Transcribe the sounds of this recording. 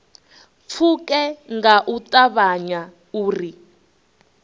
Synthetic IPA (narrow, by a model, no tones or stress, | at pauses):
p̪fʰukɛŋɡaʔutaβaɲa | uːri